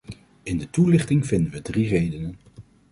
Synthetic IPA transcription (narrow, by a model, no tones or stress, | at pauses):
ɪndətulɪχtɪŋvɪndəʋədrirejdənən